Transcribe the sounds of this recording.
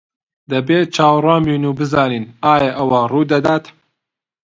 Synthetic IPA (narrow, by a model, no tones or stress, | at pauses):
d̪ɐbeːt͡ʃʰaːwrɑːmiːnuːbɨzɑːniːnaːjɐʔɐwɐruːd̪ɐd̪aːt̪